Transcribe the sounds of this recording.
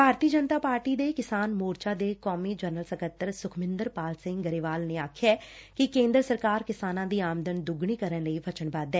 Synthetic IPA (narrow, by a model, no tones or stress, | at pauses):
bʱaːɾt̪iːəd͡ʒənt̪aːpaːɾʈiːd̪eːkɪsaːnmoːɾt͡ʃaːd̪eːkɔːmiːd͡ʒəːnəlsəkət̪ːəɾsʊkʰmɪ̃nd̪əɾpaːlsɪ̃ŋɡɡəɾiʋaːlneːaːkʰjaːkɪkẽːnd̪ɾəsəɾkaːɾkɪsaːnãːd̪iːaːmd̪ənd̪ʊɡɳiːkəɾənləiʋət͡ʃəɳbaːd̪ɛː